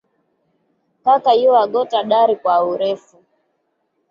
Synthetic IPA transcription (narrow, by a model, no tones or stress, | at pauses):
kakaiwaɡɔtaɗaɾikwauɾɛfu